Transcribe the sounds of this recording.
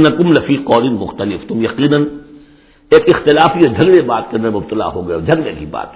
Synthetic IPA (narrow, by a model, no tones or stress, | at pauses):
nɐkʊmlɐfiːqɔːɾɪnmʊ̰xt̪ɐlɪft̪ʊmjɐqiːnən | eːkɪxt̪ɪlaːfied͡ʒʱɐɡlebaːt̪̚kɐnemʊb̚t̪ɐla̰ɦoːɡɐjeɔd͡ʒʱɐɡlẽkiba̰ːt̪̚